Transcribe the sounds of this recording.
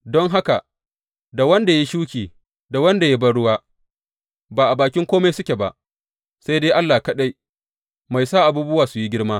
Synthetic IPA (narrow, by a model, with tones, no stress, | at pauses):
dɔ˦ŋɦa˦ka˨ | da˨wɐ˦nda˨ja˦ʃuː˦kʲiː˨ | da˨wɐ˦nda˨ja˦bɐ˦ɽʊ˦waː˦ | baː˨ʔa˨baː˨kʲɪ˦ŋkʷoː˦me˦jsʊ˦kʲe˨ba˨ʔ | sa˦jdeː˦ʔa˦lːaː˨kɐ˦ɗa˦j | ma˨jsaː˦ʔa˨buː˦bʊ˦waː˨sʊ˨ji˦ɡʲɪ˦ɽmaː˦